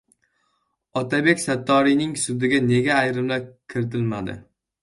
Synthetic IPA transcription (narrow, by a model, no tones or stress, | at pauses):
ɒt̪ʰabe̞kʲsat̪ʰːɒɾijnɪŋsʊd̪ɪɡʲane̞ɡʲaːjɾɪmlakʲʰɪɾɪt̪ʰɪlmad̪ɪ̰